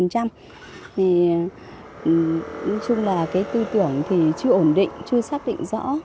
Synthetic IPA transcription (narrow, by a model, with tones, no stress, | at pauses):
ə˨˩nt͡ɕa˧m | t̪ʰi˨˩˨ | ɔ˨˦jt͡ɕʊ˧ŋ͡mlaː˨˩kaː˨˦jt̪ɨ˧t̪ɨ˧˩əŋt̪ʰi˨˩t͡ɕɨ˧əʔo˧˩nɗḭ˧˨ŋ̟t͡ɕɨ˧əsaː˦˥k̚ɗḭ˧˨ŋ̟zɔ̰˧˥